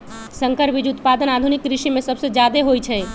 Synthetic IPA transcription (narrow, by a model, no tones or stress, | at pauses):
səŋkəɾbid͡ʒut̪pad̪ənad̪ʱunikɾiʃimesəbsed͡ʒjad̪eɦojt͡ʃʰɛ